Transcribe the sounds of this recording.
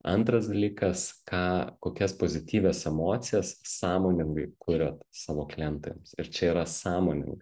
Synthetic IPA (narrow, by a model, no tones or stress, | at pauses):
ɐ̰nt̪ɾɐsd̪ɐlʲiːkɐskɑːkoːkʲɛspoːzʲɪt̪ʲiːʋʲɛsɛmoːt̪sʲɪjɛssɑːmoːnʲɪŋɡɐɪkʊɾʲoːt̪sɑːʋoːklʲɛnt̪o̰jɛmsɪɾt͡ʃʲɛiːɾɐsɑːmoːnʲɪ̰ŋɡɐ